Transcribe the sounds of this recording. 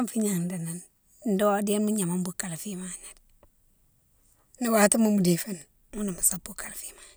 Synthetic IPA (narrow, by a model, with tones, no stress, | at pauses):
mfi˦ɲa˨ŋ˨n˨da˨na˨n | n̩˦do˦a˦di˦e˦nmu˦ɲa˨ma˦mbu˨ka˨lfi˦ma˨na˨d | ni˦wa˨tu˦mu˦mu˨di˨fe˦n | mu˦na˨mu˨sa˦bu˦ka˨lfi˦ma˦n˨